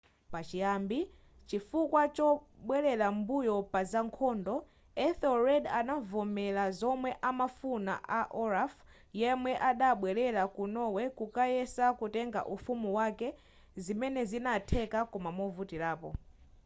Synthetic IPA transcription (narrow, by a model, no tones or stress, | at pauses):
pat͡ʃijambi | t͡ʃifukwat͡ʃɔɓwɛlɛlambujɔpazaŋkʰɔːndɔ | ɛθɔɹɛdanavɔmɛlazɔmwɛʔamafuna̰ʔaʔɔɾaf | jɛmwɛʔaɗaɓwɛlɛlakunɔwɛkukajɛsakutɛŋɡa̰ʔufumuwakɛ | zimɛnɛzinatʰɛkakɔmamɔvutiɾlaːpɔ